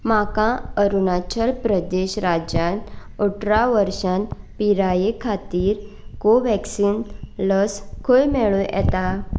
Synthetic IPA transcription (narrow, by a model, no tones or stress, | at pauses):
makãəɾunat͡ɕəlpɾəd̪eɕɾad͡ʑjanoʈɾaʋəɾɕan | piɾajekʰat̪iːɾ | koʋɛksiːnləskʰojmeɭũɛ̰t̪a